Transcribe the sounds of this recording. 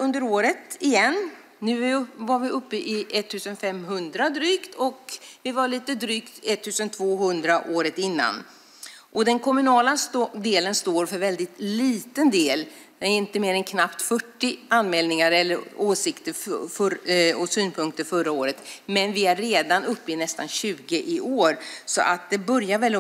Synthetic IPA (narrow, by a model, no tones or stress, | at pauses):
ɵnd̪əɾoːɾət̪ɪjɛnː | ʉ̟ːvaɾvɪʔɵpːəʔɪʔɛt̪ʰːʉ̟ːsənfɛmɦɵnd̪ɾad̪ɾyːkt̪ʰɔkvɪvaɭiːt̪əd̪ɾyːkt̪ɛt̪ʰːʉ̟ːsənt̪ʰvoːɦɵnd̪ɾaʔoːɾət̪ɪnːa̰n | ʔɔd̪ɛnkʰɔmɵnɑːlasd̪eːlənst̪oːɾfœɾvɛld̪ɪt̪liːt̪ənd̪eːl | d̪ɛnæɾɪnt̪əmeːɾɛnkʰnapt̪fœʈːɪanmɛːlnɪŋaɾɛlːəɾoːsɪkt̪əɾffɔsyːnpʰɵŋk̚t̪əɾfœɾaoːɾət̪mɛnvɪæɾːeːd̪anɵpːɪnɛst̪a̰nɕʉ̟ːɡəʔɪʔoːɾsɔ̰ʔat̪̚d̪ɛbœɾjavɛl